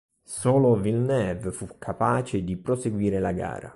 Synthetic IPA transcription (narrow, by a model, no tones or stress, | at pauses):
soːlovilnɛvfukʰːapaːt͡ʃed̪ipɾoseɡwiːɾelaɡa̰ːɾa̰